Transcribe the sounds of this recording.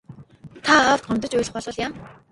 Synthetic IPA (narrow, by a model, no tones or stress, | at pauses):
t̪ʰaɔw̥t̪̚ɢɔmʲt̪ɞ̆t͡ɕʊjɮɘ̆χpɔɮʊːɮjam